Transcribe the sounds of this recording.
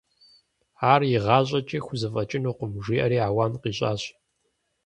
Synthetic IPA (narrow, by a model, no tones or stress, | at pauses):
aːrjɪʁɑːɕ̬ʼɐt͡ʃʼiːxʷʊzɐfʼɐt͡ʃʼɪnuːqʊmʒiːʔɐɾiːaːwaːnqiːɕʼaːɕ